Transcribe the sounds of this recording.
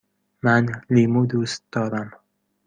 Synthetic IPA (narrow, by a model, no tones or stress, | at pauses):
manlimud̪ust̪̚d̪ɒːɾam